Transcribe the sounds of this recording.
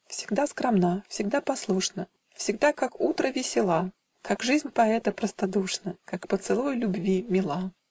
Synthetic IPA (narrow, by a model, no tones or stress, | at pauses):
fsʲɪ̥ɡd̪askɾɐmnafsʲɪɡ̚d̪apɐslˠuʂnə | fsʲɪɡd̪akakut̪ɾəvʲɪsʲɪlˠa | kakʐɨzʲnʲpɐɛt̪əpɾəst̪ad̪uʂnəkakpət̪sɨlˠojlʲʊbvʲimʲɪlˠa